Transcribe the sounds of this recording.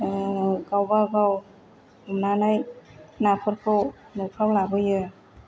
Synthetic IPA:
ɡawbaɡaw | umnanajnapʰɯɾkʰɯw | nɔpʰɾawlabɯjɯ

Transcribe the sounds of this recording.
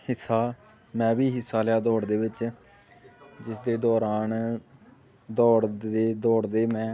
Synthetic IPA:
hɪsːaː | mɛ̃ːbiːɦɪsːaːljaːd̪ɔːɽd̪eːʋɪt͡ʃ | d͡ʒɪsd̪eːd̪ɔːɾaːn | d̪ɔːɽeːd̪ɔːɽd̪eːmɛ̃ː

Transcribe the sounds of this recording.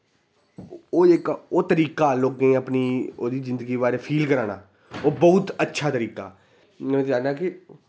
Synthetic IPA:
oːɪkoːt̪əɾiːkaːloːɡẽːəpniːoːd̪iːzɪnd̪əɡiːʋaːɾeːpʰiːlkəɾaːna̰ː | oːbəːʊt̪ətːʃʰaːt̪əɾiːka̰ː | ẽaːãːkɪ

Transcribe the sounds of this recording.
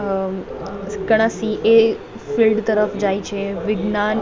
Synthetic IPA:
ɡəɽ̃asiʔe | filɖt̪əɾəfd͡ʒajt͡ʃʰeʋɪɡnan

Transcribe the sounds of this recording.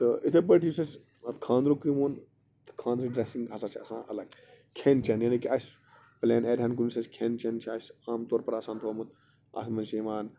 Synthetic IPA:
t̪ɨit̪ʰep̬əʈʰisɐsʲ | ɐt̪kʰãːnd̪ɾoːkɾimoːn | t̪kʰãːnd̪ɾiɖɾesiŋɡɦɐsat͡ʃʰiɐsã̰ːʔɐ̰lɐɡ | kʰeːnt͡ʃʰenjɐːnikiɐsʲ | pleːneːɾʲankunsɐsʲkʰeːnt͡ʃʰent͡ʃʰiɐsaːmt̪oːɾpɐɾaːsãːnt̪ʰoːmɨt̪ | a̰smɐnʃiːʋaːn

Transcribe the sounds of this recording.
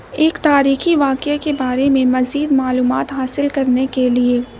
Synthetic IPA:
eːkt̪aːɾiːxiʋaːqakebaːɾemẽmɐziːd̪maːluːmaːt̪ɦaːsɪlkɐɾnekelieː

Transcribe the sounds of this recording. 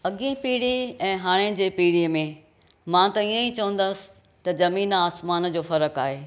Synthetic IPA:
ɐɠĩpiːɽiɛ̃ːɦaːɽ̃ed͡ʑeːpiːɽiəmẽ | mãt̪ɐiə̃it͡ɕɐʋə̃n̆d̪əsɪ̥ | t̪ɐzɐmiːnaːsmaːnd͡ʑoːfɐɾəkaːɦeː

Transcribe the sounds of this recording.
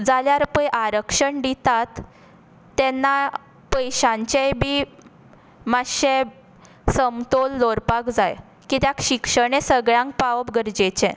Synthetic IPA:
d͡zaljaɾpəjʔaɾəkʂəɳɖ̪it̪at̪ː | ɛnːa | pəjɕãɲt͡ɕejbiː | maɕe | səmt̪olːoɾpakd͡zaj | kit̪jakɕikʂəɽ̃ẽsəɡɭãŋk̚paʋəpɡəɾd͡ʑet͡ɕẽ

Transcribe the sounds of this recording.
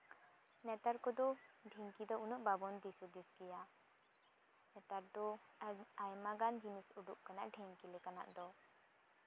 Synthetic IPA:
nɛt̪aɾkɔd̪ɔɖʱiŋkid̪ɔunɔʔbabɔnd̪isud̪isɡija | nɛt̪aɾd̪ɔ | ajmaɡand͡ʒinisuɖuʔ̚kanaʔɖʱiŋkilekana̰ʔd̪ɔ

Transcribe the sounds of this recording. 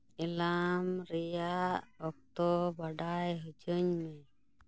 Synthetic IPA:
ɛlamɾɛjaʔɔk̚t̪ɔbaɖajɦɔd͡ʒəɲmɛ

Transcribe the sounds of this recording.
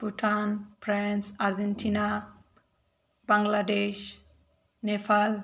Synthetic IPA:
puʈʰanpʰɾansaɾd͡ʒenʈʰina | baŋɡladeʃ | nepʰal

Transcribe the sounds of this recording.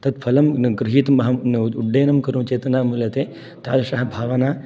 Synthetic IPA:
t̪ɐd̪pʰɐlɐmɡɾɪɦiːt̪ɐmɐɦɐmnuɖeːnɐmkɐɾumt͡ʃejt̪ɐnaːmuljɐt̪eː | t̪a̰ːd̪ɐʂɐɦɐbʱaːʋɐnaː

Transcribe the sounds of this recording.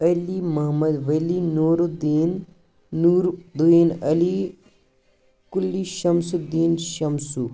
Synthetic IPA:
ɐlimɐɦmɐd̪ʋɐlinoːɾud̪iːnː | uːɾd̪uiːnɐli | kulːiʃɐmsud̪iːnʃɐmsu

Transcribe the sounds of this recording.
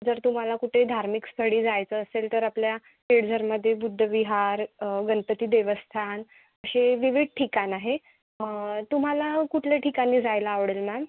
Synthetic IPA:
d͡zəɾt̪um̤alakuʈʰed̪ʱaɾmikst̪ʰəɽiːd͡zajt͡səːselt̪əɾaplja | peɽd͡zʱəɾməd̪ʱːjebud̪ʱːəʋiɦaɾɡənt̪ət̪iːd̪eʋəst̪ʰan | əɕeʋiʋiɖʈʰikanaɦe | t̪um̤alakuʈʰleʈʰikaniːd͡zajlaːʋɽelmæm

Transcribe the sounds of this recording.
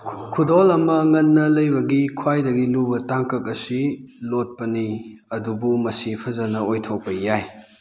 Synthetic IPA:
kʰudolɐmɐŋɐnːɐlɐjbɐɡikʰwajdɐɡilubɐtaŋkɐk̚ɐsilot̚pɐniɐdubumɐsipʰɐzɐnɐojtʰok̚pɐjaj

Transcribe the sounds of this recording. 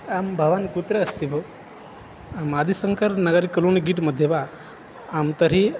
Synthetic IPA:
ambʱɐʋankut̪ɾeɐst̪ibo | amad̪ʱisəŋkəɾnɐɡəɾkəluːnɡiːʈməd̪ʱjeʋaː | mt̪əɾi

